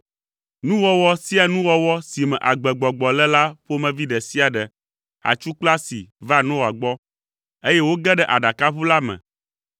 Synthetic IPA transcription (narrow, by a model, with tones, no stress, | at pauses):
nũ˦wɔ˦wɔ˦si˦a˨nũ˦wɔ˦wɔ˦si˨mɛ̰̃˨ʔa˨ɡ͡bɛ˨ɡ͡bɔ˨ɡ͡bɔ˨lɛ˦la˦ɸo˦mɛ̃˨vi˦ɖɛ˨si˦a˨ɖɛ˨ | a̰˨t͡ʃu˦k͡pla˦sḭ˨va˦˨nɔ̃˦wa˨ɡ͡bɔ˦ | e˦jɛ˦wo˦ɡɛ˦ɖɛ˦ʔa˨ɖa˨ka˦ɸu˦la˦mɛ̰̃˨